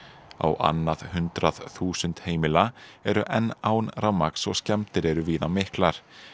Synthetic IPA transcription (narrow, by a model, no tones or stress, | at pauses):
a̰wʔa̰nːað̥hʏnt̪ɾaðθuːsʏnt̪heːjmɪlaɛɾʏʔɛnːaːwnrawmaksɔɣscɛmt̪ɪɾɛɾʏviːnamɪhklaɾ̥